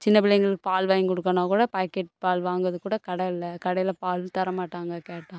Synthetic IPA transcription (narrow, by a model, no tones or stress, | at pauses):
t͡ʃɪnːɐpɪlɐjŋɡɐɭɯkːɯ̥paːlʋaːjkɔɽɯkːɐnãːkuːɽɐpaːkːɛʈ̚paːlʋaːŋɡɐðɯkːuːɽɐkɐɽɐɪlːɐkɐɽɐjɪlɐpaːlʋt̪ɐɾɐmaːʈːaːŋɡɐkeːʈːãː